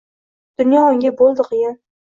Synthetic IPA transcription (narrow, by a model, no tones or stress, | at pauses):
d̪̥ʊnjɒʊŋɡʲabolˠd̪ɨqʰɨjɪn